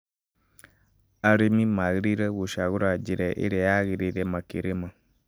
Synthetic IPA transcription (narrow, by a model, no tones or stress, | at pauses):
aɾemĩmãɣɾiɾəwoʃaɣuɾad͡ʒeɾɛʔḛɾeaɣeɾeɾɛmãkeɾemã